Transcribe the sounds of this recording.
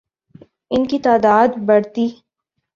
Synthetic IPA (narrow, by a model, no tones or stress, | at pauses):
ɪnkit̪aːd̪aːd̪bɐɽt̪iː